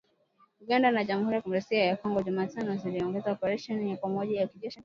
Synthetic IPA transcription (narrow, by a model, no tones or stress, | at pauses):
uɠandanaʄamuhuɾijakumɾɛsiajakɔŋɡɔʄumaːtanɔziliɔŋɡɛzaɔpɛɾaʃɔnijakamɔʄajakiʄɛʃi